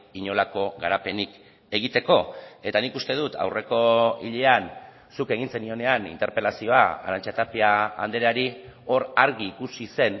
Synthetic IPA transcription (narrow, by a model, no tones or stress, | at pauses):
iɲo̞lako̞ɣaɾape̞nik | e̞ɣit̪e̞ko̞e̞t̪anikust̪e̞ðut̪a̰wre̞ko̞iʎean | suke̞ɣ̞int͡se̞nio̞ne̞anḭnt̪e̞ɾpe̞lasio̞aa̰ɾant͡ʃat̪apiaa̰nd̪eɾeaɾio̞raɾɣiːkusise̞n